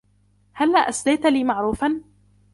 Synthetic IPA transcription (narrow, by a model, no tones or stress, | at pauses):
halːaʔasd̪ajt̪liːmaʕɾˤuːfan